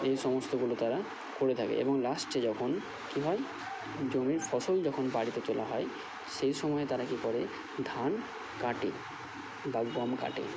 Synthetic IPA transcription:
ejʃɔmost̪oɡulot̪aɾa | koɾet̪ʰakḛʔḛboŋlasʈt͡ɕed͡ʑɔkʰon | kiɦɔe | d͡ʑoneɾfʰɔsold͡ʑɔkʰonbaɽit̪et̪olaɦɔe | ʃeɾʃɔmɔet̪aɾakipɔɾe | d̪ʱan | kaʈe | baɡɔmka̰ʈḛ

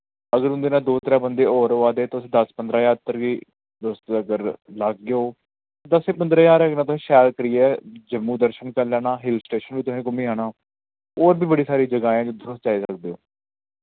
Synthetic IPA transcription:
əɡəɾʊ̃nd̪eːnaːd̪oːt̪əɾãːbənd̪eːɔːɾoːaːd̪eːt̪oːʊsːd̪əspənd̪ɾãːjaːt̪ːəɾɡiː | d̪ost̪ːəɡəɾlaɡːeoː | t̪asẽːpənd̪ɾãːjaːɾknaːt̪ʊsẽːʃɛːɾkəɾiːɛːd͡ʒəmːũːd̪əɾʃənkəɾlaːnaːɦɪlsʈeːʃənʋiːt̪ʊsẽːkʊmĩːaːnaː | ɔːɾbʱiːbəɽiːsaːɾiːd͡ʒəɡaːãːd͡ʒoːd̪əɾʊst̪t͡ʃaːiːsək̚d̪eːo̰ː

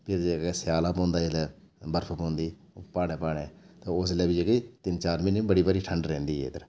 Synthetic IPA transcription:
pʰɪɾd͡ʒeːɡɛːsɪjaːlaːpɔ̃ːnd̪aːelɛː | bəɾpʰpõːnd̪iː | paːɽɛːpaːɽeːt̪aːoslɛːbid͡ʒeɡeːt̪ɪnt͡ʃaːɾmɪnːbəɽiːbəɾiːʈʰəɳɖɾɛ̃ːnd̪iːḛːd̪əɾ

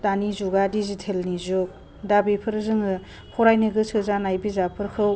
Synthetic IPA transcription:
tanizuɡadizitʰelnizuk̚ | dabipʰɯɾzɯŋɯ | pʰɔɾajnɯɡɯsɯzanajbizapʰɯɾkʰɯw

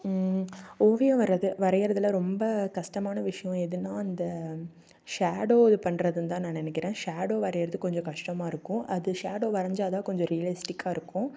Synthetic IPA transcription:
oːʋɪjɐ̃ʋɐɾɐðɯʋɐɾɐjɪɾɐðɯlɐɾɔmbɐkɐʂʈɐmaːnɐʋɪʂɐjɔ̃ɛðɯnːãːɐnd̪ɐ | ʂaːɽoːɯpɐɳːɾɐðɯnd̪ãːnãːnɛnɛkːɪɾẽːʂaːɽoːʋɐɾɐjɪɾɐðɯkɔɲd͡ʒɔ̃kɐʂʈɐmaːɪɾɯkːʊ̃ʔɐðɯʂaːɽoːʋɐɾɐɲd͡ʒaːðaːkɔɲd͡ʒɔ̃ɾɪjɐlɪsʈɪkʰːaːɪɾɯkːʊ̃

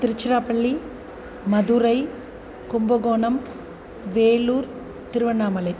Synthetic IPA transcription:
t̪ɪɾɪt͡ʃːɪɾaːpɐɭːi | mɐðuɾɐɪ | kʊmbɐɣoːɳɐm | ʋeːluːɾ | t̪ɪɾɯʋɐnːaːmɐlɐɪ

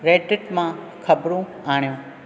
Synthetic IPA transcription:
ɾeːʈɪʈmã | kʰəbɾũ | aːɳ̃jũ

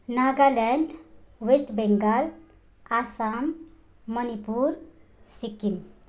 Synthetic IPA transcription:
naɡalɛɳɖwesʈbeŋɡal | asamː | ənipuɾ | sikim

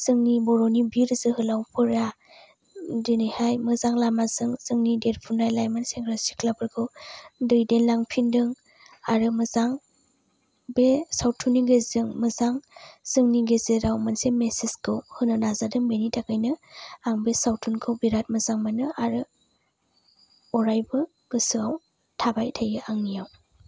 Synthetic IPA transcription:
z̥ɯŋnibɔɾonibiɾzɯhɯlawpʰɯɾa | dɯnihajmɯzaŋlamazɯŋzɯŋnideɾpʰunajlajmanseŋɡɾasi̥klabɯɾɡʰɯwdɯjdenlaŋpʰindɯŋ | aɾɯmɯzaŋ | besawtʰuniɡezɯŋmɯzaŋz̥ɯŋniɡezeɾawmansemesiskʰɯwhɯnɯnazadɯŋbenitʰakajnɯaŋbesawtʰunkʰɯwbiɾat̚mɐzaŋmanɯʔaɾɯ | ɔɾajbɯ | ɡ̥ɯsɯaw | tʰabajtʰajɯʔaŋnijaw

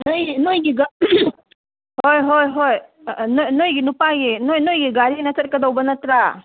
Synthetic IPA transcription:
nojinojɡiɡa | hojɦojɦojnojnojɡinupaɡinojnojɡiɡaɾinɐsɐt̚kɐd̪awbɐnɐt̪ɾa

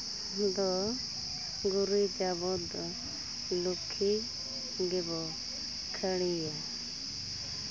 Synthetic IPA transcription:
d̪ɔ | ɡuɾid͡ʒabɔd̪ | lukʰi | ɡɛbɔ | kʰəɽia

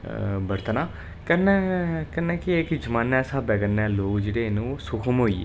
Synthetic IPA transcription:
bəɾt̪ənaː | kənɛːkənɛːkɪekd͡ʒəmaːnɛːsaːbɛːɡənɛːloːɡd͡ʒeːɽeːnũːoːsʊkʰəmɦoːḭːḛ

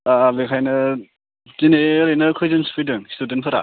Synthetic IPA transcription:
abekʰajnɯ | zineɾɯjnɯkʰɯjzɯnspʰidɯŋstudentpʰɯɾa̰

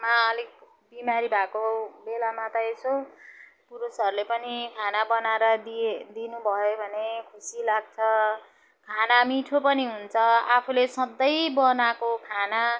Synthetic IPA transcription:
maʌlik̚ | bimaɾibʱakobelamat̪ʌeso | puɾusʌɾulepʌnikʰanabʌnaɾʌdd̪inubʱʌjobʱʌnekʰusilaɡ̚t͡sʰʌ | kʰanamiʈʰopʌniɦunt͡sʰʌapʰulesʌd̪ʌjbʌnakokʰana

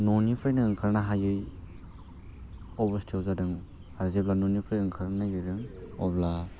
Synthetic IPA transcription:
nɔnipʰɾajnaːŋkʰaɾnaɦajɯj | ɔbɯstʰiawzadɯŋ | aɾzeplanɔnipʰɾajɯŋkʰaɾnajɯjɾɯŋɔbla

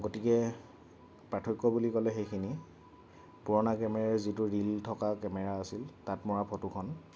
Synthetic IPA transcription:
ɡotikɛ | pɹatʰɔkːɔbulikɔlɛxejkʰini | puɹɔnakɛmɛɹɛzitʊɹiltʰɔkakɛmɛɹaːsiltatmɔɹapʰɔtukʰɔn

